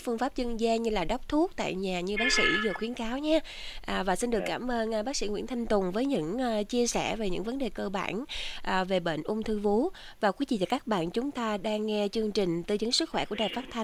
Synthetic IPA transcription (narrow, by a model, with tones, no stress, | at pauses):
fɨ˧əŋfaː˦˥p̚t͡ɕənzaː˧ɲɨ˧laː˨˩ɗa˦˥wk͡p̚t̪ʰu˦˥ək̚t̪a̰ː˧˨jɲaː˨˩ɲɨ˧ɓaː˨˦˥k̚sḭ˧˥zoː˨˩xwi˨˦ənkaː˨˦wɲaː˨˦ | ʔːvaː˨˩si˧nɗɨ˨˩əkːaː˧˩mʔəː˧nʔɓaː˦˥k̚sḭ˧˩ŋwḭ˧˥ənt̪ʰa˧jŋ̟t̪ʊ˨˩ŋ͡mvəː˨˦jɲɨ̰˧˥ŋʔːt͡ɕi˧əsɛ˧˩ve˨˩ɲɨ̰˧˥ŋvə˨˦nɗe˨˩kəː˧ɓa̰ː˧˩nʔːve˨˩ɓḛ˧˨nʔʊ˧ŋ͡mt̪ʰɨ˧vu˨˦ | vaː˨˩kwi˨˦zḭ˧˨t͡ɕaː˨˩kaː˦˥k̚ɓa̰ː˧˨nt͡ɕʊ˨˦ŋ͡mt̪aː˧ɗaː˧ŋːɛ˧t͡ɕɨ˧əŋt͡ɕï˨˩ŋ̟t̪ɨ˧˩zə˨˦ŋsɨ˦˥k̚xwɛ˧˩ku˧˩əɗaː˨˩faː˦˥t̚t̪ʰa˧ŋ